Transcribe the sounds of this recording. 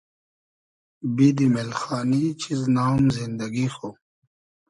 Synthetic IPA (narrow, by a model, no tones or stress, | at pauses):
bid̪imelxaːnit͡ɕʰiznaːmzind̪ɐɡixoː